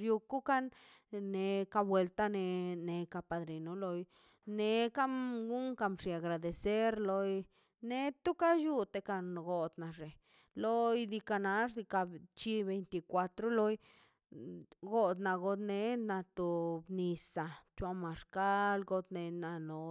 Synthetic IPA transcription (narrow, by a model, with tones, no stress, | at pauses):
ju˧ku˦ka˦nne˧ka˧bwe˧lt̪a˦ne˧ne˧ka˧pa˧d̪ɾi˨no˦lo˧j | ne˧ka˦mɡu˦ŋka˧mʂi˧a˨ɡɾa˨d̪e˨se˦ɾlo˧j | ne˦t̪u˦ka˦ju˦t̪e˧ka˧nɡo˧d̪na˨ʐe˨ | lo˧jd̪i˧ka˧na˧ʐd̪i˧ka˧t͡ʃi˧be˧jnt̪i˧kʷa˧t̪ɾo˦lo˧˦j | ɡo˧d̪na˧ɡo˧d̪ne˧na˧t̪o˧bni˧sa˨t͡ʃwa˧ma˨ʂka˦lɡo˧d̪ne˧na˧˨no˨